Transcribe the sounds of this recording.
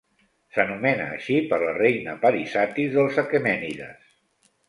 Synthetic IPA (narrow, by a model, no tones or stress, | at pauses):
sənumɛnə̰ːʃipəɾlərejnəpəɾisat̪izðəlˠzəkemɛniðə̰s